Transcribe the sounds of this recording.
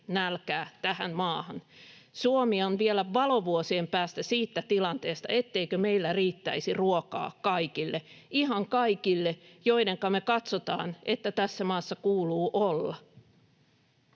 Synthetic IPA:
nælkæːt̪æhænmɑːhɑnsuomiɑonʋielæʋɑloʋuosiempæːst̪æsiːt̪ːæt̪ilɑnt̪eːst̪ɑ̰ʔet̪ːeikømeilːæriːt̪ːæ̰isiruokɑ̰ːkkɑikilːe | iɦɑŋkɑikilːejoiɾeŋkɑmekɑt̪sot̪ɑ̰ːnʔet̪ːæt̪æsːæmɑːsːɑkuːluːʔolːɑ

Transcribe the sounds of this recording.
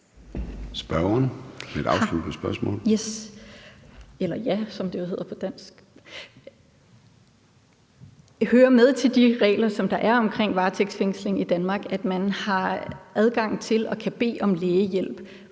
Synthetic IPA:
sb̥ɶɐɐned̥ɑ̈ʊslud̥̚pʰɒsb̥ɶɐsmɔ̰̽ːljes | elɐjæsɒ̽md̥e̝johe̝ð̰ˠɐpʰɒ̽d̥æn̰sɡ̥ | høːɐmeð̞ˠt͡sʰe̝ld̥iʁɛ̰ːlɐsɒ̽md̥ɑ̈ʔæɐɒ̽mkʰʁeŋ̰ʋɑ̈ːt͡sʰeɡ̥sfeŋ̰sle̝ŋid̥ænmɑ̈ːɡ̥æd̥mænhɑ̈ʔæð̞ˠɡ̥ɑ̈ŋ̰t͡sʰe̝lɒ̽kʰæb̥e̝̰ːɒ̽mleːjel̰b̥

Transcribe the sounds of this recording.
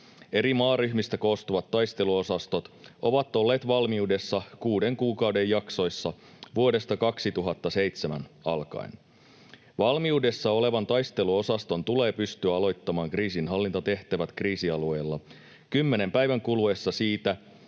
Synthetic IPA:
e̞ɾimɑːryçmist̪æko̞ːst̪uʋɑt̪ːɑjst̪e̞luo̞sɑst̪ot̪o̞ʋɑt̪ːˑo̞lːe̞ːt̪ʋɑlmiude̞sːɑkuːde̞ŋkuːkɑwde̞jjɑkso̞jsːɑ | ʋuo̞de̞st̪ɑkɑksit̪uɦɑt̪ːɑse̞jt̪semænɑ̰lkɑ̰in | ʋɑlmiude̞sːɑo̞le̞ʋɑnt̪ɑjst̪e̞luo̞sɑst̪o̞nt̪ule̞ːpyst̪yæɑlo̞jt̪ːɑmɑːŋkriːsinɦɑlːint̪ɑt̪e̞ht̪æʋæt̪kriːsiɑlue̞ːlːɑ | kymːe̞ne̞mpæjʋæŋkulue̞sːɑsiːt̪æ

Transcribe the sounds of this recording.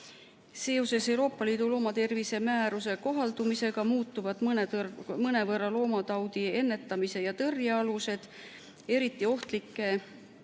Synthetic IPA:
se̞ːo̞se̞se̞wɾo̞ːpːˑɑliːd̪̥ulo̞ːmɑt̪e̞rvise̞mæːɾus̬e̞ko̞ɦɑld̪̥umise̞ɡ̥ɑmuːt̪ːˑuvɑd̪̥nmɤne̞vɤrːɑlo̞ːmɑt̪ɑwd̪ie̞nːe̞t̪ːˑɑmise̞jɑt̪ɤrjɑɑluse̞d̪̥ | e̞ɾit̪ːˑio̞ht̪likːˑe̞

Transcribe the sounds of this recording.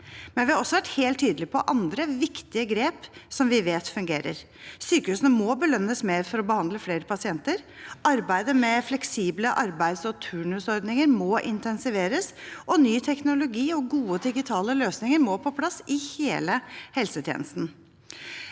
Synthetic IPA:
mɛnʋɪhɑɾɔsːɔʋæʈheːlt̪ʰːyːd̪əlɪpʰɔʔɑnd̪ɾəʋɪkt̪ɪəɡɾeːpsɔmʋɪʋeːt̪fʉŋɡeːɾə̰ɾ | syːkəhʉːsənəmɔbəlœnːəsmeːɾfɔɾɔbəhɑnd̪ləfleːɾəpʰɑsɪɛnt̪əɾ | ʔɑɾbæɪd̪əmɛflɛksiːbləʔɑɾbæɪd̪sɔt̪ʰʉːɳʉsɔɾd̪nɪŋəɾmɔʔɪ̰nt̪ʰɛnsɪʋeːɾəsʔɔnyːt̪ʰɛknʊlʊɡiːɔɡuːəd̪ɪɡɪt̪ʰɑːləløːsnɪŋəɾmɔpʰɔpʰlɑsɪheːləhɛlsət̪ʰjḛnəst̪n̩

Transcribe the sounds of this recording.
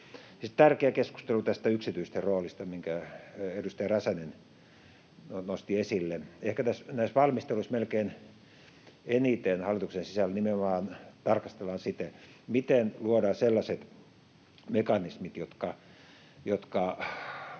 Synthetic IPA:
sit̪t̪ærkeækesku̥st̪elut̪æst̪æyksit̪yist̪eroːlist̪ɑmiŋkæedust̪ɑjɑræsænen | nonost̪iesilːeehkæt̪æsnæisʋɑlmist̪eluismelkeːn | enit̪enhɑlːˑit̪uksensisælnimenomɑːnt̪ɑrkɑst̪elːɑnsit̪e | mit̪enluodɑːselːɑset̪ | mekɑnismit̪jot̪kɑ | jot̪kɑ

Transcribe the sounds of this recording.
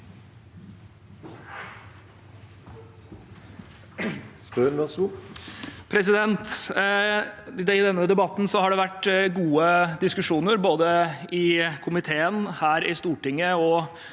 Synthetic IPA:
spønʋɛsu | pʰɾɛsɪd̪ɛnt̪ | ɪd̪ɛnːəd̪ɛbɑt̪ːn̩sɔhɑɖɛʋæʈːɡuːəd̪ɪskʉʂuːnəɾboːd̪əɪkʰʊmɪt̪ʰeːənhæːɾɪst̪uːʈɪŋːəɔ

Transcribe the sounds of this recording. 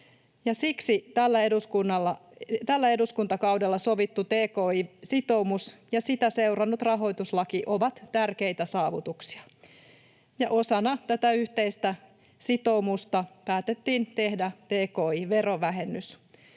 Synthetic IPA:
jɑsiksit̪ælːæeduskunːɑlːɑt̪ælːæe̞duskunt̪ɑkɑwdelːɑso̞ʋit̪ːut̪eːkoːisit̪o̞umusjɑsit̪æseurɑnːut̪rɑɦo̞jt̪uslɑkiʔoʋɑt̪t̪ærkeit̪æsɑːʋut̪uksi̥ɑ̥ | jɑʔosɑnɑt̪æt̪æyht̪eist̪æ | sit̪o̞umust̪ɑpæːt̪et̪ːiːnt̪e̞hdæt̪eːkoːiʋeroʋæɦenːys

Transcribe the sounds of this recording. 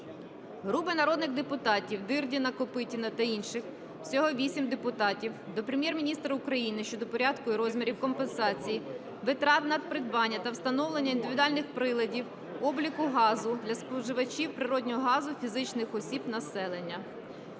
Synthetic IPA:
ɦɾupɪnɐɾɔd̪nɪɣd̪epʊt̪ɑtʲiwd̪ɪrdʲinɐkɔpɪtʲinɐt̪ɐinʃɪx | wsʲɔɦɔʋʲisʲimd̪epʊt̪ɑtʲiwd̪ɔpɾʲemʲjɛrmʲinʲist̪ɾɐʊkɾɐjinɪʃt͡ʃɔd̪ɔpɔɾʲɑd̪kʊiɾɔzʲmʲiɾʲiwkɔmpensɑt͡sʲiji | ʋɪt̪ɾɑt̪nɐd̪̚pɾɪd̪bɑnʲːɐt̪ɐwst̪ɐnɔwlˠenʲːɐind̪ɪʋʲid̪ʊɑlʲnɪxpɾɪlˠɐdʲiw | ɔblʲikʊɦɑzʊd̪lʲɐspɔwʒɪʋɐt͡ʃʲiwpɾɪɾɔdʲnʲɔɦɔɦɑzʊfʲizɪt͡ʃnɪxɔsʲibnɐsɛlˠenʲːɐ

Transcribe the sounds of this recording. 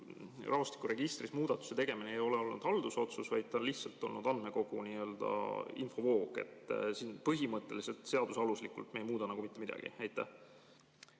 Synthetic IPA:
rʔɑvost̪i̥kuɾe̞ɡ̥ist̪rismuːd̪̥ɑt̪ːˑu̥se̞t̪e̞ɡ̥e̞mineːejo̞leo̞lnṵd̪̥hɑld̪̥uso̞t̪susvɑjd̪̥̚t̪ɑnliht̪sɑlt̪ːˑo̞lnud̪̥ɑnd̪̥me̞ko̞ɡ̥uniːø̞ld̪̥ɑ̰info̞vo̞ːɡe̞̰t̪ːˑsiːnpɤɦimɤt̪ːˑe̞̰lise̞lt̪ˑse̞ɑd̪usɑluslikːˑult̪mejmuːd̪ɑnɑɡumit̪ːˑe̞mid̪̥ɑ̰ɡ̥ḭæjt̪ːˑæh

